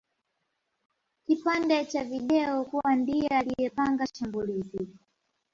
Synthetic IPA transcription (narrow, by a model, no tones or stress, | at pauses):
kipandɛt͡ʃaviɗɛɔkuwandijɛalijɛpaŋɡaʃambuliːzi